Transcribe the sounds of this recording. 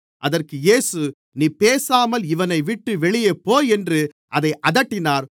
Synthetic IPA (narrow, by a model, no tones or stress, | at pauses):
ʔɐðɐrkɯjeːsɯ | niːpeːsaːmɐlɪʋɐnɐɪʋɪʈːɯʋɛɭɪjɐpoːjɛndrɯ | ʔɐðɐɪʔɐðɐʈːɪnaːɾ